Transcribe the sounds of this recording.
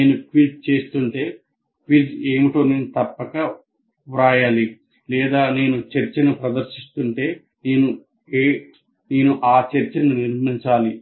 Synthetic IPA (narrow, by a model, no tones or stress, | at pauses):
neːnuʈʋiʈ̚t͡ʃe̞ːst̪uɳʈe̞ː | ʈʋiːʈeːmiʈoːneːnut̪ɐpːɐkɐ | uɾaːjaːli | lɛːd̪aːne̞ːnut͡ʃɐɾt͡ʃɐnupɾɐd̪ɐɾʃist̪uɳʈe̞ː | neːnu | e | neːnuʔaːt͡ʃɐɾt͡ʃɐnuniɾmiɲt͡ʃaːli